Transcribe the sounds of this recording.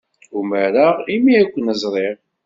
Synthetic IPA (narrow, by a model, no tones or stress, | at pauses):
uməɾaʁimiækʷːənəzˤɾˤeʁ